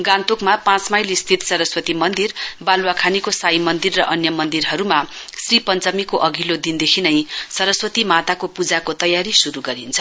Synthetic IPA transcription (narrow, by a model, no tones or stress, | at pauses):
ɡãnt̪okmapãt͡smajlest̪ʰit̪sʌɾʌswʌt̪imʌnd̪irbalwakʰanikosajmʌnd̪irːʌʔʌnjʌmʌnd̪irɦʌɾuma | sripʌnt͡sʌmikoʔʌɡʱilod̪ind̪ekʰinʌjsʌɾʌswʌt̪imat̪akopud͡zakot̪ʌjaɾisuɾuɡʌɾint͡sʰʌ